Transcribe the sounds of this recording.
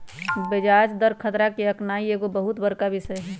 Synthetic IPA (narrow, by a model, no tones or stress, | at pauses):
bɪd͡ʒaːd͡ʒd̪əɾkʰət̪ɾakeəknaːieːɡobəɦʊt̪bəɾkabɪsəɦɛː